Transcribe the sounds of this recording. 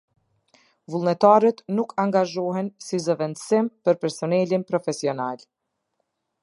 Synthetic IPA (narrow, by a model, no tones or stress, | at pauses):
vulˠnɛt̪aɾət̪nukʰaŋɡaʒɔɦɛnsizəvɛnd̪əsimpəɾpɛɾsɔnɛlinpɾɔfɛsiɔnal